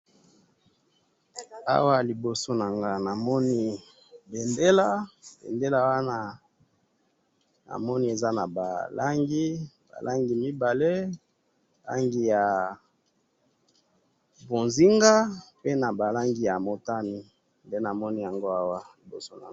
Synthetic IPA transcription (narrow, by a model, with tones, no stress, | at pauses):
a̰˦wa˦li˨bo˨so˦na˨ŋɡa˨na˨mɔ˦ni˦ | be˨nde˦la˦b̥ḛ˨nde˦la˦wa˦na˦ | na̰˨mɔ˦ni˦e˨za˦na˨ba˨la˦ŋɡi˦ba̰˨lʔa˦ŋɡi˨mi˦ba˨le˦˨ | la̰˦ŋɡi˨ja˨ | bo˨nzi˦ŋɡa˦pe˦na˨ba˨la˦ŋɡi˦ja˨mo˦ta˦ni˦ | nde˦na˨mɔ˦ni˦ja˨ŋɡo˦a˦wa˦li˨bo̰˨so˦na̰˨